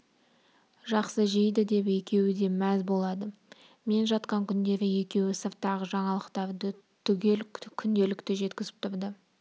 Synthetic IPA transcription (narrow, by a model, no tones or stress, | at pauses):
ʒɑqsəʒijd̪əd̪e̞pe̞kʲe̞wɪd̪e̞mæzbo̞lˠɑd̪ə | me̞nʒɑt̪qɑŋkʲʰʏnd̪e̞ɾɪje̞kʲe̞wɪsəɾt̪ɑʁəʒɑɴɑlˠəqt̪ɑɾd̪ə | t̪ʰʏɡʲelkkʲʰʏnd̪e̞lɪkt̪ɪʒe̞t̪kʲɪzɪ̥p̚t̪ʰʊɾd̪ə